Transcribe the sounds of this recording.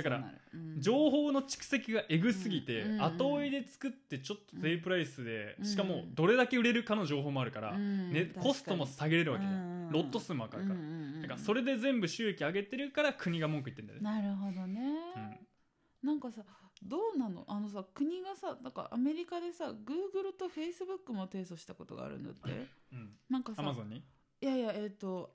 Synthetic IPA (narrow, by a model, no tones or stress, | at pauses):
d̪akaɾa̰d͡ʑo̞ːɦo̞ːno̞t͡ɕi̥kɯ̟̥se̞kʲiɡaʔe̞ɡɯ̟sɨɡʲit̪e̞at̪o̞ːid̪e̞t͡sɨ̥kɯ̟t̪ːe̞t͡ɕo̞t̪ːozeipɯ̟ɾaisɨd̪e̞ɕi̥kamo̞d̪o̞ɾe̞d̪ake̞ɯ̟ɾe̞ɾɯ̟kano̞ʑo̞ːɦo̞ːmo̞aɾɯ̟kaɾa̰neko̞sɨ̥t̪o̞mo̞saɡe̞ɾe̞ɾɯ̟βaked̪aɾo̞t̪ːo̞sɨːmβakaɾɯkaɾd̪akaɾaso̞ɾe̞d̪e̞zẽ̞mbɯ̟ɕɨːe̞kʲiaɡe̞t̪e̞ɾɯ̟kaɾakʰɯ̟ɲ̟iɡamo̞ŋkɯit̪ːend̪a̰aɾɯ̟ɦod̪oneɯ̃ | nãŋkasad̪o̞ːnano̞̰ʔano̞s̬akɯ̟ɲ̟iɡasanãŋka̰ʔame̞ɾʲikad̪e̞saɡɯ̟ːɡɯ̟ɾɯ̟t̪o̞ɸe̞isɨbɯ̟kːɯ̟mo̞t̪e̞ːso̞ɕi̥t̪ako̞t̪o̞̰ɡa̰ɾɯ̟̰no̰t̪ːe̞̰ɯ̃ɴnãŋkasamazõ̞ɲ̟ːi | jajae̞t̪ːo̞